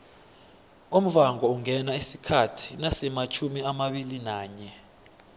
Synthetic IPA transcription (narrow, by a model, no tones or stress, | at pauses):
um̩vaŋɔuŋʱɛnaisikʰatʰi̥nasɛmat͡ʃʰumiamaɓilinaːɲɛ